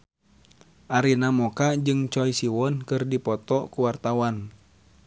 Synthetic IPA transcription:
ʔaɾinamɔkad͡ʒɨŋt͡ʃɔisiwɔnkɨrdipɔt̪ɔkuwart̪awan

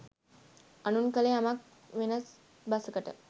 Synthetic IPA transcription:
anunkəleamak̚ | ʋenas | basəkəʈə̰

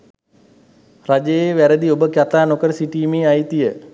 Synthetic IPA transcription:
rad͡ʒejeʋæɾəd̪iobəkjat̪aːnokəɾəsiʈiːmeːajt̪ijə

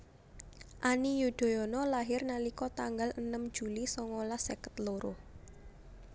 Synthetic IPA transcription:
ʔanijud̪̥o̤jɔnɔlaɦɪrnalikɔt̪aŋɡalənəm̥d͡ʒ̥ulisɔŋolasekə̥t̪loɾʊh

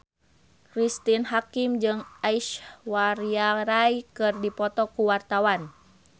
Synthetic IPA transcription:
kɾist̪inɦakimd͡ʒɨŋaiʃwaɾiaɾajkɨrdipɔt̪ɔkuwart̪awan

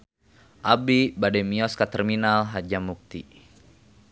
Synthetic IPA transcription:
ʔabibadɛmiɔskat̪ɛrminalɦad͡ʒamuk̚t̪i

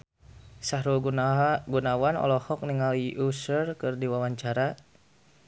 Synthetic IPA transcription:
sahɾu | ɡunawanɔ̰lɔhɔk̚niŋaliʔusərkɨrdiwawaɲt͡ʃaɾa

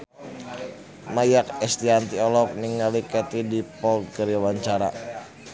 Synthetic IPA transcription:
majak̚ɛst̪iant̪iɔlɔk̚niŋalikɛt̪idipɔl̚ɡəɾiwaɲt͡ʃaɾa

